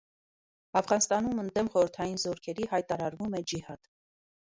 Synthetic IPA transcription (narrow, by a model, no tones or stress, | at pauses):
ɑfʁɑnst̪ɑnumənd̪ɛmχɔɾəɾt̪ʰɑjinzɔɾkʰɛɾihɑjt̪ɑɾɑɾvumɛd͡ʒihɑt̪